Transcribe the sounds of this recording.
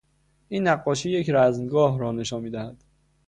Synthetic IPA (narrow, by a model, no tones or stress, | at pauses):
ʔiːnːæɢːɒːʃiːje̞cʰɾæzmɡɒːɦɾɒːne̞ʃɒːnmiːd̪æhæd̪̥